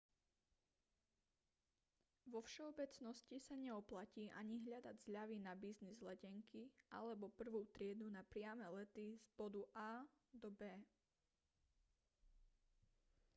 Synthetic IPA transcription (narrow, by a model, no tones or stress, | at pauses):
ʋɔfʃɛɔbɛt͡snɔscisaɲɛɔplaciːʔa̰ɲiɦʎad̪aɟzʎaʋinabiznizlɛɟɛŋkiʔa̰lɛbɔpr̩ʋuːt̪ɾɪɛd̪unapɾɪamɛlɛt̪iz̥bɔd̪uʔaː | d̪ɔbɛː